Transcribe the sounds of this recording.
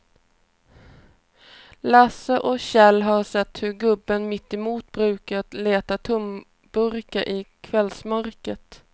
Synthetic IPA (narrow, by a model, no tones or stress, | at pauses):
lasəʔɔɕɛlɦɑɾʂɛt̪ːhɵɾɡɵbːənmɪt̪ːɪmuːt̪̚bɾʉ̟ːkat̪leːt̪at̪ʰʊm | b̥ɵɾkaʔɪkʰvɛlsmœɾkət̪